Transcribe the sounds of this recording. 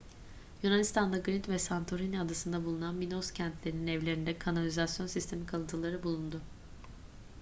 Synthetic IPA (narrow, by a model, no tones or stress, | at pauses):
junanist̪ʰand̪aɡɾint̪vɛsant̪ʰo̞ɾinad̪asɯnd̪abulˠunanminoscʰænt̪lʲe̞ɾininɛvlʲe̞ɾind̪ɛkʰanalʲizasjo̞nsist̪ʰe̞mikʰalˠɯnt̪ʰɯlˠaɾɯbulˠund̪ʊ